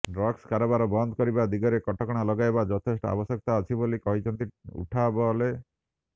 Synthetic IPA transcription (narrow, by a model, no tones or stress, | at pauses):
ɖɾɔkskaɾɔbaɾɔbɔnd̪kɔɾibad̪iɡɔɾekɔʈɔkɔɽ̃alɔɡajbad͡ʒɔt̪ʰesʈɔa̰bɔsjɔk̚t̪aːt͡ʃʰibolikɔɦit͡ʃʰɔnt̪iṵʈʰabɔle